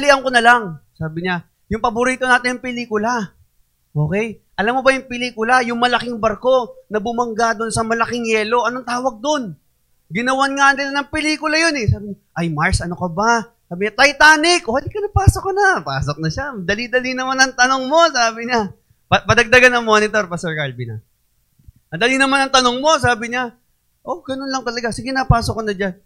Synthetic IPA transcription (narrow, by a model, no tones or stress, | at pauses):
liʔɐŋkonɐlaŋsaːbɪɲa | jʊŋpɐbʊɾiːt̪o̞naːt̪ɪɲːʊŋpɪliːkʊla | ʔo̞ːkɛjʔɐlamːobɐjʊŋpɪliːkʊlajʊŋmɐlɐkɪŋbɐɾko̞nɐbʊmɐŋɡad̪onsɐmɐlɐkɪŋjɛːlo̞ʔɐnoŋt̪aːwɐɡ̚d̪o̞n | ɡɪnɐwanŋaɐnd̪ɪlɐnɐŋpɪliːkʊlɐjonɛsaːbɪɲa | ʔɐjmaɹsʔɐnokɐbasaːbɪɲat̪ɐjt̪aːnɪkʔohalikɐnɐpaːsokːɐnɐpa̰ːsok̚nɐʃamɐd̪ɐlid̪ɐlinɐmanɐŋt̪ɐnoŋmo̞saːbɪɲa | pɐpɐd̪ɐɡ̚d̪ɐɡanɐŋmo̞ːnɪt̪oɾpɐsɛɹkɐlbinɐ̰ | mɐd̪ɐlinɐmanɐŋt̪ɐno̞ŋmo̞s̬aːbɪɲa | ʔo̞ɡɐnonlɐŋt̪ɐlɐɡasɪkɪnaːpaːsokːɐnɐd͡ʒan